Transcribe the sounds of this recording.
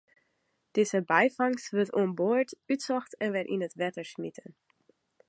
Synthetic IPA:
d̥iːzəbaɪfaŋsvɪɹtʊmboːɹtyːtsɔxtɛnvɪtɪ̰nətvɛtəʃmɪtʰən

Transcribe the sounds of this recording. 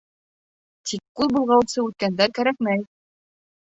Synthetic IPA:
t̪ʰikːʉlbulˠʁɑwsɤʉt̪̚kænd̪æɾkæɾæk̚mæj

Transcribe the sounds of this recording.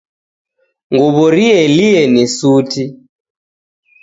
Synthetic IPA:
ŋɡuβɔɾiɛliɛnisuti

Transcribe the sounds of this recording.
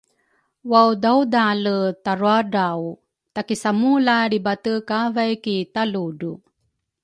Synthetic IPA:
wawdawdalətaɾuaɖaw | t̪akisamulaɾibatəkavajkit̪aludu

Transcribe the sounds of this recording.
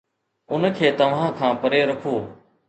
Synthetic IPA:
ʊnkʰeːt̪ɐʋ̤ãːkʰãːpɐɾeːɾɐkʰoː

